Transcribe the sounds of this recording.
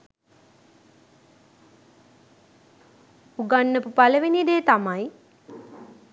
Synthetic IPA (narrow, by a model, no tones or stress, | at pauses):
uɡanːəpupaləʋinid̪eːt̪amaj